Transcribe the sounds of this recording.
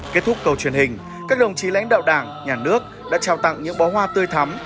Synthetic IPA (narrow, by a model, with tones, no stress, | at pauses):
ke˦˥t̚t̪ʊ˦˥k͡p̚k̚kə˨˩wt͡ɕwi˧˨˩ənhï˨˩ŋ̟ | kaː˦˥k̚ɗə˧wŋ͡mt͡ɕi˨˦la̰˧˥ŋ̟ɗa̰ː˧˨wɗaː˧˩ŋɲaː˨˩nɨ˦˥ək̚ | ɗa̰ː˧˥t͡ɕaː˨˩wt̪a̰˧˨ŋɲɨ̰˧˥ŋɓɔ˨˦ɦwaː˧t̪ɨ˧əjt̪ʰa˨˦m